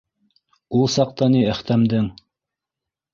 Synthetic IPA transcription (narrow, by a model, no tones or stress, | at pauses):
ulˠsɑq̚t̪ɑniɘ̆χt̪æmd̪ɘŋ